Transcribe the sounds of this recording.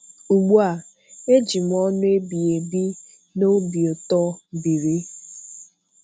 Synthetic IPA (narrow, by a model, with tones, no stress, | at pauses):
u˨ɡ͡bu˦a˨ | e˦d͡ʒi˨m˨ɔ˦nʊ˦e˦bi˨e˨bi˦ | no˦bi˨o˨tɔ˦bi˨ɾi˦